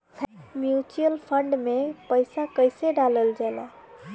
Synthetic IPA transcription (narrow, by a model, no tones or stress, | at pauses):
pʰmjut͡ʃuəlpʰəɳɖmepəɪsakəjseɖaləld͡ʒala̰